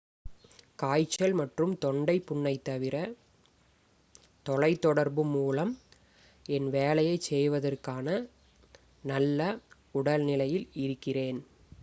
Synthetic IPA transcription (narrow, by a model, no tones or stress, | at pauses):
kaːjt͡ʃːɐlmɐʈrɯmt̪ɔɳɖɐɪpːʊɳːɐɪt̪ːɐʋɪɾɐ | t̪ɔlɐɪt̪ːɔɽɐɾbɯmuːlɐm | ɛnʋeːlɐjɐɪsɛjʋɐðɐrkaːnɐ | nɐlːɐ | ʊɽɐlnɪlɐjɪlɪɾɯkːɪreːn